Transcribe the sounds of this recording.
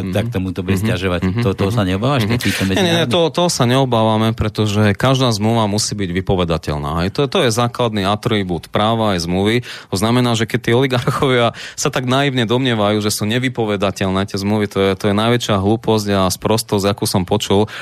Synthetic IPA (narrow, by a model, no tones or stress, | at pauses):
t̪ak̚t̪ɔmut̪ɔbuɟɛscaʒɔʋact̪ɔɔt̪ɔɦɔsaɲɛɔbaːʋaakiːt̪ɔmɛɲɛɲɛɲɛɔɦɔt̪ɔɦɔsaɲɛɔbaːʋamɛpɾɛt̪ɔʒɛkaʒd̪aːzmluʋamusiːbiɟʋipɔʋɛd̪acɛ̰ʎna̰ːɦɛjt̪ɔt̪ɔjɛzaːklad̪niat̪ɾibuːt̪pɾaːʋaːjzmluʋit̪ɔznamɛnaːʒɛkɛc̚t̪iːɔliɡaɾxɔʋɪasat̪aɡnaiʊɲɛd̪ɔmɲɪɛʋajuːʒɛsuːɲɛʋipɔʋɛd̪acɛʎnɛːt̪ɪɛzmluʋit̪ɔjɛt̪ɔjɛnajʋɛt͡ʃɪaɦluːpɔzɟaspɾɔst̪ɔzakuːsɔmpɔt͡ʃul